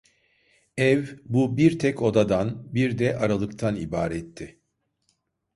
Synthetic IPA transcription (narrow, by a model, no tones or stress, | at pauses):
ɛvbubiɾt̪ʰɛco̞d̪ad̪anbiɾd̪ɛʔaɾalˠɯkt̪ʰanibaːɾɛt̪ʰːɪ